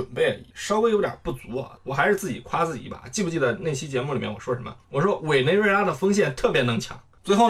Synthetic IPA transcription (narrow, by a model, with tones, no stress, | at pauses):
ə˨˩npe˥˩ɪ˧˥ʂɑ˥ke˥ɪjʊt̪ʲjɐ̰˨˩pu˥˩t͡su˧˥ɐ̰˧wɔ˨˩xa˧˥ɪʂɻ̩˥˧t͡sɹ̩˥˩t͡ɕi˨˩kʰwa˥t͡sɹ̩˥˩t͡ɕḭ˨˩bɐ̰˧˦t͡ɕi˥˩pu˧˥t͡ɕi˥˧t͡sa˥˧ɪne˥˩ɪɕi˥t͡ɕjɛ˧˥mu˥˩li˨˩mjɛ̰˥nwɔ̰˨˩ʂwɔ˥ʂə˧˥nmə̰˧wɔ˨˩ʂwɔ˥we˨˩ɪne˧˥ɪwe˥˩la˥d̪ə˨fɤ˥ŋɕ̬jɛ˥˩nt̪ʰɤ˥˩pjɛ˧˥nɤ˧˥ŋt͡ɕʰjɑ̰˧˥ŋt͡swe˥ɪxo˥˩ʊ